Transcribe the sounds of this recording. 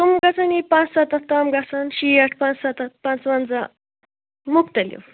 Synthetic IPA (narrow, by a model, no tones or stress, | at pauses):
t̪umɡat͡sanipãt͡ssat̪at̪amɡasanɕiaʈʰpãt͡ssat̪at̪pãt͡sʋand͡za | mukt̪aljo̰w